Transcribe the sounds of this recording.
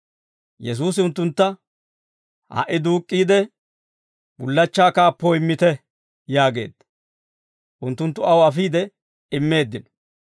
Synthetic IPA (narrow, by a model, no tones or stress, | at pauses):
jɛs̬uːs̬ɪʊnt̪ːʊnt̪ːɐ | hɐ̰ʔɪd̪uːkʼːiːd̪ɛ | bʊlːɐt͡ʃːaːkaːpːoɪmːɪt̪ɛ | jaːɡe̞̰ːd̪ɐ | ʔʊnt̪ːʊnt̪ːʊɐwɐfiːd̪ɛ | ɪmːe̞ːd̪ːɪn